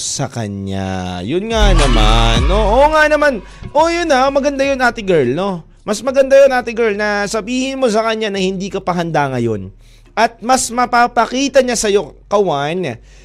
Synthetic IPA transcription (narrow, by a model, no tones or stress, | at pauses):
sɐkɐ̰ɲɲa̰jʊnŋanɐma̰nʔoʔoŋanɐman | ʔojʊnamɐɡɐnd̪ajonʔaːt̪ɪɡɛɹlno̞ | mɐsmɐɡɐnd̪ajonʔaːt̪ɪɡɛɹlnɐsɐbiːhɪnmo̞s̬ɐkɐɲanɐhɪnd̪iːkɐpɐɦɐnd̪aŋɐjo̞n | ɐt̪̚mɐsmɐpapɐkiːt̪ɐɲasɐjo̞kɐwan